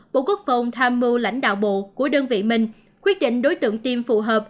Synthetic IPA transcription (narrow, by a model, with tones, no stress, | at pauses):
ɓo̰˧˨ku˦˥ək̚fə˨˩wŋ͡mt̪ʰaː˧mːɨ˧la̰˧˥˩jŋ̟ɗa̰ː˧˨wɓo̰˧˨ku˧˩əɗəː˧nvḭ˧˨mï˨˩ŋ̟ | kwi˦˥ət̚ɗḭ̈˧˨ŋ̟ɗo˨˦jt̪ɨ̰˧˨əŋt̪i˧mfu˨˩ɦəː˨˩p̚